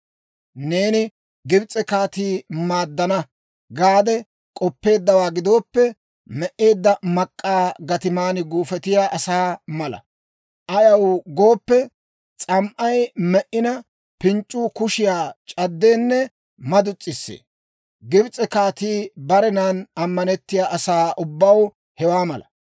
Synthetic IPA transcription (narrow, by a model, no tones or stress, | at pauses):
ne̞ːnɪ | ɡɪbt͡sʼɛkaːt̪iːmaːd̪ːɐnɐ | ɡaːd̪ɛ | kʼɔpːe̞ːd̪ːɐwaːɡɪd̪o̞ːpːɛ | mɛʔe̞ːd̪ːɐmɐkʼːaːɡɐt̪ɪmaːnɪɡuːfɛt̪ɪjaːʔɐsaːmɐlɐ̰ | ʔɐjɐwɡo̞ːpːɛ | t͡sʼɐmʔɐjmɛʔːɪnɐ | pɪnt͡ʃʼːʊːkʊʃɪjaːt͡ʃʼɐd̪ːe̞ːnːɛ | mɐd̪ʊt͡sʼːɪsːḛː | ɡɪbt͡sʼɛkaːt̪iːbɐɾɛnaːnɐmːɐnɛt̪ːɪjaːʔɐsaːʔʊbːɐw | hɛwaːmɐlɐ̰